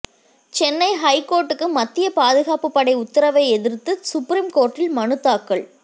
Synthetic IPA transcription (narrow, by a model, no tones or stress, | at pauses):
t͡ʃɛnːɐɪɦɐɪkːoːɾʈːɯkːɯmɐt̪ːɪjɐpaːðɯɣaːpɯpːɐɽɐɪʊt̪ːɪɾɐʋɐɪɛðɪɾt̪ːɯsʊpːɾimkoːɾʈːɪlmɐnɯt̪ːaːkːɐɭ